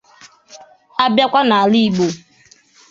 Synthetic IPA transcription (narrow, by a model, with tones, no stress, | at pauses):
a˦bja˦kʷa˦na˨a˨li˦i˨ɡ͡bo˨